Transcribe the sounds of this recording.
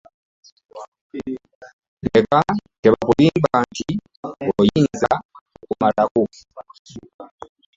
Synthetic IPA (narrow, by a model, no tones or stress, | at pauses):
ne̞kate̞βaβuliːmbaːnti | ojiːnzaokumalako